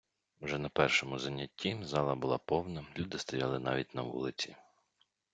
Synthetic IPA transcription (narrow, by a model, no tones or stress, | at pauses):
uʒɛnɐpɛrʃɔmʊzɐnʲːɐtʲːizɑlˠɐbʊlˠɑpɔwnɐlʲud̪ɪst̪ɐjɑlˠɪnɑ̰ʋʲit̚ʲnɐʋṵlˠɪt͡sʲi